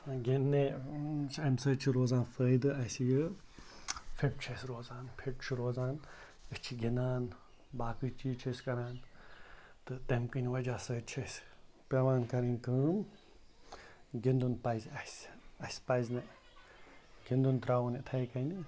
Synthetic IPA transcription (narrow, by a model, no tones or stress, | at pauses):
ɡʲinːet͡ʃʰɐmsət͡ʃʰiɾoːzãːnfəːjd̪ɨɐsjɨ | pʰeʈ̚t͡ʃʰɐsʲɾoːzaːnpʰeʈ̚t͡ʃʰiɾoːzaːn | ɨt͡ʃʰiɡinaːn | baːkɨt͡ʃʰijt͡ʃʰɐsʲkɐɾãːn | t̪ɨt̪emkɨnʲiʋɐd͡ʒaːsəːt͡ʃʰɐs | pɐʋaːnkɐɾinʲkɨm | ɡind̪unpɐjzɐsɐsʲpɐjznɐ | ɡind̪unt̪ɾaːwunet̪ʰɐjkɐni